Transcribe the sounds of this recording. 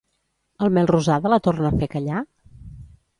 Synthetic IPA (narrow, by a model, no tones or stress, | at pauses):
əlˠmɛlˠruzaðələt̪ornəfekəʎa